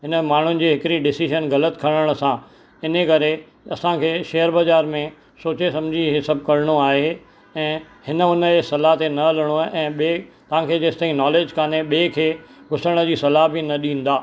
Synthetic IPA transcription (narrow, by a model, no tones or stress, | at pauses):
ɦɪnəmaːɳ̤ʊnɪ̆d͡ʑeːɦɪkɪɾiɖɪsiʃənɣɐlət̪kʰɐɽ̃əɽ̃ə̆sã | ɪnəkɐɾe | ɐsãkʰeːʃeːɦəɾbɐzaːɾmẽ | soːt͡ɕesɐ̃md͡ʑʱiɦesɐb̚ʱkɐɾɪɽ̃oaːɦe | ɛ̃ː | hɪnə̆ʊnəesɐlaɦt̪enɐɐləɽ̃oʔɛ̃ːɓet̪ɐʋ̤ãkʰeːd͡ʑeːsɪt̪aːĩnɔːleːd͡ʑkʰaːneɓeːkʰeːɡʱʊsəɽ̃ə̆d͡ʑiːsɐlaɦbɪnɐɗĩːn̆d̪aː